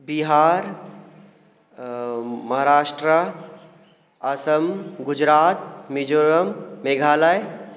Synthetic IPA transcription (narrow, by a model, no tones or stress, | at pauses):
biɦaːɾ | mɐɦaɾaːʃʈɾə | ɐsəmɡʊd͡ʒɾaːt̪̚mid͡ʒoːɾəmːeɡʱaːlaj